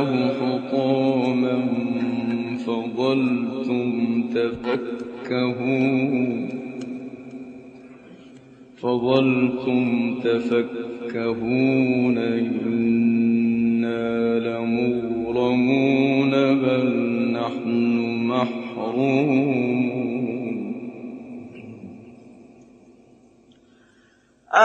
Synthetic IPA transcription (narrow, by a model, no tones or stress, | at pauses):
hʊħʊt̪uːma | fɑðˤɑlt̪ʊmt̪afakːahuːn | fɑðˤɑlt̪ʊmt̪afakːahuːnaʔɪnː | aːlamʊɣɾˤɑmuːnabalnaħnʊmaħɾuː | n | ʔa